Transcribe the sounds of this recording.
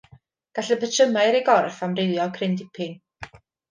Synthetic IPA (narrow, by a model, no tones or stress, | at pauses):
ɡ̥aɬəpʰətʰəmaɨɾiɡɔrfamrɪwˠjɔkʰrɪndɪpʰɪŋ